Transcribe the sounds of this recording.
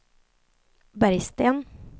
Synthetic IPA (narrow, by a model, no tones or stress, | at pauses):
bæɾjst̪eːn